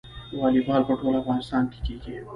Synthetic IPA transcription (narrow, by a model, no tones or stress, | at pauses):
waːlibaːlpɐʈʰoːlafɣaːnɪst̪ɑːnʈʰi̥kike